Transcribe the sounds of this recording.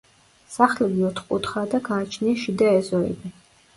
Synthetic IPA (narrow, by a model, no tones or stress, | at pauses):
saχlɛɡiɔt̪ʰχqʼut̪χad̪akʰaːt͡ʃʰniʃid̪aɛzʼɔɛ̰bi